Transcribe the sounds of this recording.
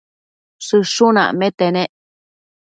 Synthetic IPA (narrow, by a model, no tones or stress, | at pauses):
sɨʂunã̰ʔmẽt̪enẽʔ